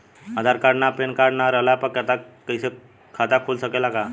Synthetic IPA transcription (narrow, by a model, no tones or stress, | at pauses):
əd̪ʱaɾkaɽnapenkaɽnaɾəlapəkət̪akəɪse | kʰat̪akʰulsəkelaka